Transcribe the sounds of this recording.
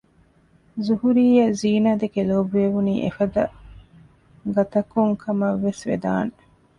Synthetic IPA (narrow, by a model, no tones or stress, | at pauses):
zuhuɾiːjɐziːnaːd̪ekeloːbeʋuniːʔefɐd̪ɐ̰ | ɡɐt̪ɐkuŋkʰɐmɐʋːesʋḛd̪a̰ːne